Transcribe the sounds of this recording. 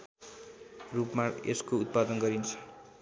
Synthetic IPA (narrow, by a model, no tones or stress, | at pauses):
rupmaeskout̪̚pad̪ʌnɡʌɾint͡sʰʌ̥